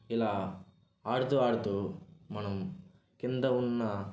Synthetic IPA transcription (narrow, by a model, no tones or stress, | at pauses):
ilːɐ | aːɽt̪uaːɽt̪umɐnɐm | kind̪ɐunːɐ